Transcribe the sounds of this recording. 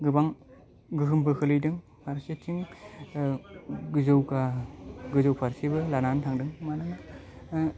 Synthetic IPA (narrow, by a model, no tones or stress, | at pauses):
ɡɯbaŋ | ɡɯɦɯmpɯkʰɯlɯjdɯŋ | pʰaɾset͡ʃʰiŋ | ɡɯzɯwkaɡɯzɯwpʰaɾsibɯlanantʰaŋdɯŋmanɯŋ